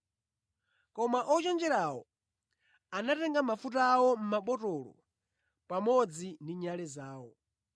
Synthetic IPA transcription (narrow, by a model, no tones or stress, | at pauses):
kɔmaʔɔt͡ʃɛnd͡ʒɛɾawɔ̰ | anatɛŋɡamafutaawɔm̩maɓɔtɔlɔ̰ | pamɔd͡zindiɲalɛzaːwɔ